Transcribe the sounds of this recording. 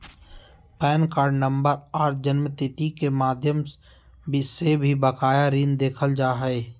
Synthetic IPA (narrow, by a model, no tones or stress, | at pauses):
pɛːnkaːɾɖnə̃mbəɾaːɾd͡ʒənmət̪ɪt̪ikemaːd̪ʱjəm | bsebʱibəkaːjaɾiːnd̪eːkʰəld͡ʒaːɦɛe